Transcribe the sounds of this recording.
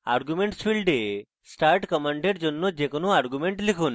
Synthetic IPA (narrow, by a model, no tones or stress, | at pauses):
aɾɡjumeɳʈsfiɭɖe | sʈaːɾʈkɐmaːɳɖeɖd͡ʒonːod͡ʒekɐnuaɾɡumeɳʈlikun